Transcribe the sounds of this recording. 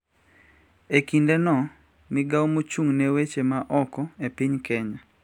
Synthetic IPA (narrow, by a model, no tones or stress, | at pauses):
ekindɛnɔ | mɪɡaomot͡ʃuŋnewet͡ʃemaʔɔkɔepiɲkɛɲa